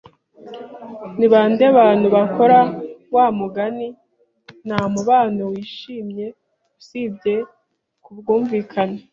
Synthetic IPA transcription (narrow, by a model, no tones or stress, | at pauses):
niβaːndeβaːn̥huβako̞ɾawaːmuɡani | n̥hamuβaːnowiːʃiːmɲe̞ | usiːbɟe̞ | kubɡuːɱviːkʰana